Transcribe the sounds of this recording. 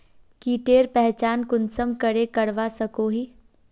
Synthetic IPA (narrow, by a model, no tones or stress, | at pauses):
kiʈeːɾpɛɦt͡ʃaːnkʊnsəmkəɾekɐɽʋasɐkoːɦiː